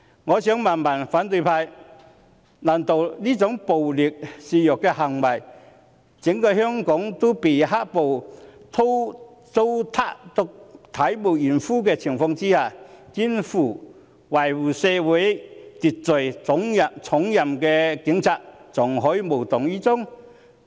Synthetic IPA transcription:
ŋɔː˨˧sœː˨˥ŋmaː˨˩nmɐ˨˩nfaː˨˥nt̪ɵ˧jpʰaː˧j | nɐː˨˩nt̪o˨wliː˥t͡sʊ˨˥ŋpo˨wliː˨k̚siː˨˧jʊ˨kːɛ˧hɐ˨ŋwɐ˨˩j | t͡sɪ˨˥ŋkɔː˧hœː˥ŋkɔː˨˥ŋt̪o˥wpe˨˩jɦaː˥k̚po˨wt̪ʰo˥w | t̪o˥wt̪ʰaː˥k̚t̪ʊ˨k̚t̪ʰɐ˨˥jmo˨˩wjyː˨˩nfuː˥kɛː˧t͡sʰɪ˨˩ŋfɔː˧ŋt͡siː˥haː˨˩kiː˥nfuː˨˩ | wa˨˩jwuː˨˩sɛː˧wuː˨˥jt̪i˨t̚t͡sɵ˨˩jt͡sʊ˨˥ŋjɐ˨t͡sʰʊ˨˥ŋjɐ˨mkɛː˧kɪ˨˥ŋt͡sʰaː˨k̚t͡sʊ˨ŋɦɔː˨˥jiː˧mo˨˩wt̪ʊ˨ŋjiː˥t͡sʊ˥ŋ

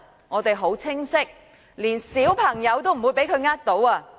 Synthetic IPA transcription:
ŋɔː˨˧t̪e˨jɦo˨˥wt͡sʰɪ˥ŋsɪ˥k̚ | liː˨˩nsiː˨˥wpʰɐ˨˩ŋjɐ˨˧wt̪o˥wm̩˨˩uː˨˧jp̬e˨˥jkʰɵ˨˧ɥŋaː˥k̚t̪o˨˥waː˧

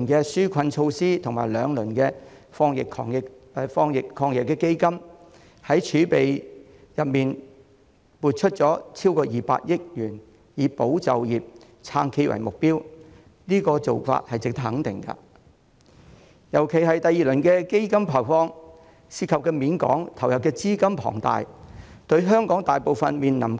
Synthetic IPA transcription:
nkɛː˧syː˥kʷʰɐ˧nt͡ʃʰo˧wsiː˥t̪ʰʊ˨˩ŋmaː˨˩jlœː˨˧ŋlɵ˨˩nkɛː˧fɔː˥ŋjɪ˨kʰɔː˧ŋjɪ˨kːfɔː˧˥ŋjɪ˨kʰːɔː˧ŋjɪ˨kːɛː˧ke˥jkɐ˥m | hɐ˨˥jt͡ʃʰyː˨˥pe˨j | jɐ˨p̚miː˨˩n | muː˨t̚t͡ʃʰɵ˥t̚t͡sɔː˨˥t͡sʰiː˥wkɔː˧jiː˨pa̰ː˧t̚jɪ˥k̚jyː˨˩n | jiː˨˧˦po˨˥wt͡sɐ̰˨wjiː˨p̚ | t͡sʰaː˧ŋkʰe˥˧jwɐ̰˨˩jmʊ˨k̚piː˥w | niː˥kɔː˧t͡so˨wfa̰ː˧t̚hɐ˨jt͡sɪ˨k̚t̪ɐ˥hɐ˨˥ŋt̪ɪ̰˨˩ŋkɐ̰˧ | jɐ˨˩wkʰe˨˩jɦɐ˨jt̪ɐ˨˧jiː˨lɵ˨˩nkɛː˧ke˥jkɐ˥mpʰaː˨˩wfɔː˥ŋ | siː˧˥kʰɐ˨p̚kɛː˧miː˨˥nkɔ̰ː˨˥ŋt̪ʰɐ˨˩wjɐ˨p̚kɛː˧t͡siː˥kɐ˥mpʰɔ̰ː˨˩ŋt̪a̰ː˨jt̪ɵ˧ɥɦœː˥ŋkɔː˨˥ŋt̪aː˨jpo˨wfɐ˨nmiː˨nnɐ˨˩m

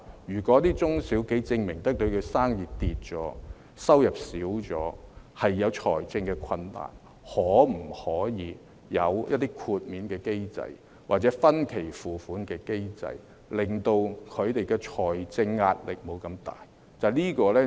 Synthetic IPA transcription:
jyː˨˩kɔ˨˥t̪iː˥t͡sʊ˥ŋsi˨˥wke˨˥jt͡sɪ˧ŋmɪ˨˩ŋt̪ɐ˥k̚t̪ɵ˧ɥkʰɵ˨˧saː˥ŋjiː˨˩t̪iː˨t̚t͡ʃɔː˨˥ | sɐ˥wjɐ˨p̚siː˨˥wt͡sɔ̰ː˨˥ | hɐ˨jːɐ˨˧wt͡ʃʰɔ̰ː˨˩jt͡sɪ˧ŋkɛ˧kʷʰɐ˧nːa̰ː˨˩n | hɔː˨˥m̩˨˩hɔː˨˥jiː˨˧ | jɐ̰˨˧wjɐ˥t̚t̪iː˥kʰuː˧t̚miː˨˧nkɛː˧ke˥jt͡sɐ̰˧j | waː˨˩t͡sɛ˨˥fɐ˥nkʰe˨˩jfuː˨fuː˨˥nkɛː˧ke˥jt͡sɐ̰˧j | lɪ˨ŋt̪o˧wkʰɵ˨˧ɥt̪e˨jkɛː˧t͡ʃʰɔː˨˩jt͡sɪ˧ŋːa̰ː˧t̚lɪ˨k̚mo˨˧wkɐ˧mt̪a̰ː˨˩j | t͡sɐ˨liː˥kɔː˧lɛː˥

